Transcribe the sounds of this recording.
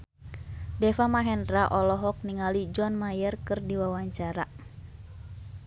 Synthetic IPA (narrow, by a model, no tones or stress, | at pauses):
dɛfamaɦɛndɾaʔɔlɔɦɔk̚niŋalid͡ʒɔnmajərkɨrdiwawaɲt͡ʃaɾa̰